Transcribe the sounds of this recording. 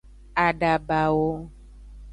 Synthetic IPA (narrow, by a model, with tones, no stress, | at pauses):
a˨ɖa˨ba˨wo˦